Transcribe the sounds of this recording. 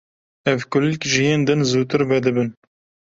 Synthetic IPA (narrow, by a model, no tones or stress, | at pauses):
ɛvkʊlɪkʒɨjeːnd̪ɨnzuːt̪ɨɾvɛd̪ɨbɨn